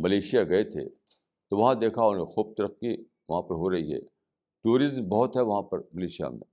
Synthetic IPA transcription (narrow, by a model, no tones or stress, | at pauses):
mɐleːʃijaɡɐet̪ʰḛ | t̪oʋɐɦãd̪eːkʰaonexuːb̚t̪ɐɾəqːi | ʋɐɦãpɐɾɦoɾɐɦiɦɛ̰ː | t̪uːɾɪzmbɐɦʊt̪ɦɛʋɐɦãpɐɾmɐleːʃija̰mḛ̃ː